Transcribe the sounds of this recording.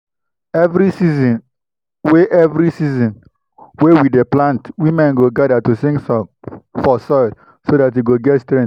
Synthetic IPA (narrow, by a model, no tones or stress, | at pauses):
ɛvɾisizĩn | weʔɛvɾisizĩn | wewideplãntwimɛ̃nɡoɡadatusĩŋɡsɔfɔsɔɪd | sodateɡoɡɛtstɾɛ̃nt